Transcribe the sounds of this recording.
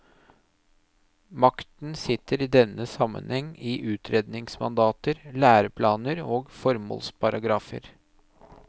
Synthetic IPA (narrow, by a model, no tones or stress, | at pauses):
mɑkt̪n̩sɪt̪ʰːəɾiːd̪ɛnːəsɑmə̰nhɛŋːiʔʉːt̪ʰɾeːd̪nɪŋsmɑ̰nd̪ɑːt̪əɾlæːɾəpʰlɑːnəɾoːɡfɔɾmo̰ːlspʰɑɾɑɡɾɑːfə̰ɾ